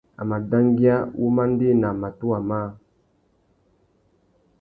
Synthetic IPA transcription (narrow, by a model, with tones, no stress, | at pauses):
a̰˨ma˨da˦ŋ˦ɡi˦a˦wʔu˦ma˦n˦de˦˨na˨ma˨tu˦a˨ma˦